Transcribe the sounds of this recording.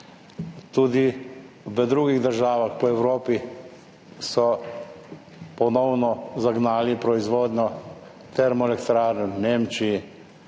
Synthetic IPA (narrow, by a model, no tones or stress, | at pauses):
t̪uːd̪i | bəd̪ɾuːɡiɣd̪əɾʒaːʋaxpɔɛwɾoːpi | sɔ | pɔnɔwnɔzaɡnaːlipɾɔizʋoːd̪nʲɔ | t̪ɛɾmɔɛlɛkt̪ɾaːɾnɛneːmt͡ʃii